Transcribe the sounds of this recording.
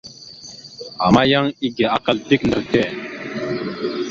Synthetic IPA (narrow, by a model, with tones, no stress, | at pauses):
a˨ma˦ja˦ŋi˦ɡe˨a˦ka˦ldi˦kndə˨tɛ˦˨